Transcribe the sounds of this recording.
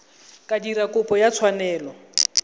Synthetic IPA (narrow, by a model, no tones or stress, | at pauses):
kʼadiɾakʼʊpʼɔjat͡sʰwanɛːlɔ